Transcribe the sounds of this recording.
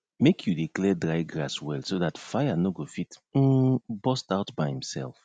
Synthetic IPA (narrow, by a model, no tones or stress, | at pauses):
mekʰjudiklɛdɹajɡɹaswɛlsoðatfajanoɡofit̩ | bɔstaʊtbajĩmsɛ̰lf